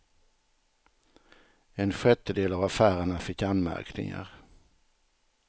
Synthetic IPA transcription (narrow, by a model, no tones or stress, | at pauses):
ɛnɧɛt̪ːəd̪eːlavafæːɾəɳafɪkːanmæ̰ɾknɪ̰ŋa̰ɾ